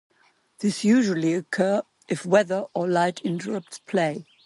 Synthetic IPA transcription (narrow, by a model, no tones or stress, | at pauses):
ðɪsjʉʒul̩ˠiɨkʰɜː | ʔɨfwɛðə˞əlaɪtʰɪ̃ntə˞ɹʌp̚tspʰl̥eɪ